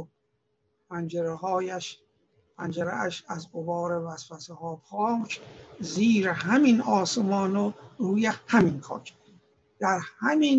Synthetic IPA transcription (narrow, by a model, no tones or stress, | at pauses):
o | pʰænd͡ʒeɾeɦɒːjæʃ | pʰænd͡ʒeɾeæʃæzɡobɒːɾevæsfæsehɒːpʰɒːt͡ʃʰziːɾeɦæminɒːsemɒːnoɾuːjehæminkʰɒ̰ːkʰ | d̪̥æɾhæmin